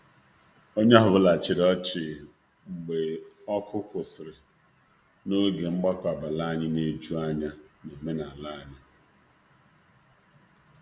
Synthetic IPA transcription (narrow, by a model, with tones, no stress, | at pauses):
o˦ɲe˦ɦʊ˨βʊ˦la˨t͡ʃɪ˨ɾɔ˦t͡ʃɪ˨ | ŋ͡m̩˨ɡ͡be˨ | ɔ˦kʰʊ˦kʊ˨sɪ˨ɾɪ˨ | no˦ɡe˨ŋ͡m̩˦ɡ͡ba˦kʷa˨ba˨la˦ɲɪ˦ne˦d͡ʒu˦a˦ɲa˦ne˨me˦na˨la˦ɲa˦